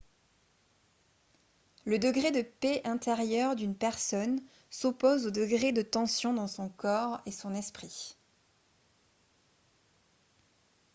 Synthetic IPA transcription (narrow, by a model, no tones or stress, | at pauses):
ləd̪əɡʁed̪əpeʔɛ̃t̪eʁjœʁd̪ynpɛʁsɔn | sopozod̪əɡʁed̪ət̪ɑ̃sjɔ̃d̪ɑ̃sɔ̃kɔʁesɔ̃nɛspχi